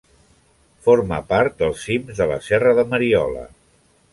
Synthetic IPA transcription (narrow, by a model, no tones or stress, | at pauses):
foɾməpaɾt̪̚d̪əlˠsimzðələ̰sɛrəðəməɾiɔ̰lə̰